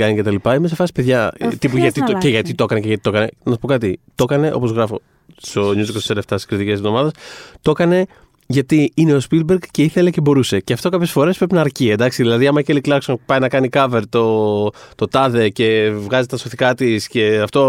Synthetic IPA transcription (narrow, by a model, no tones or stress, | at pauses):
ɐnice̞t̪ɐlipɐime̞sefɐsi̥pe̞ðʝɐt̪ipuʝɐt̪it̪oceʝɐt̪it̪o̞kɐneceʝɐt̪it̪o̞kɐnenɐspo̞kɐt̪it̪o̞kɐne̞ʔo̞̰po̞zɣɾɐfo̞̰ | st̪o̞ɲuziksseleft̪ɐsi̥skɾit̪icesevðo̞mɐðe̞st̪o̞kɐne̞ | ʝɐt̪iine̞o̞spil̚beɾkce̞iθe̞le̞ce̞bo̞ɾuse̞cɐft̪o̞kɐpçesfo̞ɾespɾepinɐːɾciend̪ɐksiðilɐðiɐmɐceliklɐɾksonpɐjinɐkɐnikɐve̞ɾt̪o̞t̪o̞t̪ɐðe̞ce̞vɣɐzit̪ɐsoθikɐt̪isce̞ɐft̪o̞